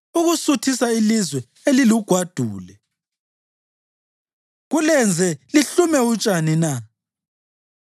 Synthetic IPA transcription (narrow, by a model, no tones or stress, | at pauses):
uɣusutʰisailizwɛ | eliluɡ̥ʱwad̥ʱuːlɛ | ɣulɛnd͡zʱɛliɬumɛut͡ʃʼanina